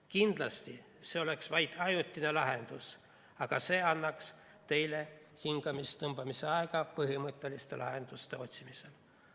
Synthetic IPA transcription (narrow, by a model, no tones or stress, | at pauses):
kind̪̥lɑst̪i | se̞o̞le̞ksvɑjt̪ɑjut̪ːˑine̞lɑɦe̞nd̪̥us | ɑɡ̥ɑse̞ːɑnːɑks | t̪e̞jle̞ | hiŋɡ̥ɑmist̪ɤmb̥ɑmise̞ɑeɡ̥ɑpɤɦimɤt̪ˑːe̞list̪e̞̰lʔɑ̰ɦe̞nd̪̥ust̪e̞o̞t̪ʲsimise̞l